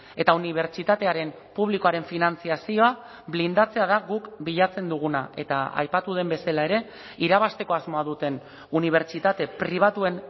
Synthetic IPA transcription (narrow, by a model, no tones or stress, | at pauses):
e̞t̪auniβ̞e̞ɾt͡ʃit̪at̪e̞aɾe̞m | puβliko̞aɾe̞ɱfinant͡siasio̞a | βlind̪at͡se̞aðaɣukbiʎat͡se̞nd̪uɣ̞una̰e̞t̪a̰a̰jpat̪uð̞e̞mbe̞salae̞ɾe̞ | iɾaβ̞ast̪e̞ko̞azmo̞aðut̪e̞n | uniβ̞e̞ɾt͡ʃit̪at̪e̞pɾiβ̞at̪ue̞n